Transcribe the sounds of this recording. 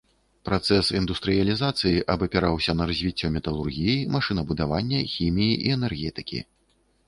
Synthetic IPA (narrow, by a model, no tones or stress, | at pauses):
pɾat̪sɛsind̪ust̪ɾɨjɐlʲizat̪sɨjiʔɐbɐpʲɛɾawsʲɐnɐɾɐzʲvʲit͡sʲːɔmʲɛt̪ɐlˠurɣʲijimaʂɨnɐbud̪avanʲːɐxʲimʲijiʔiɛnɛrɣʲɛt̪ɨkʲḭ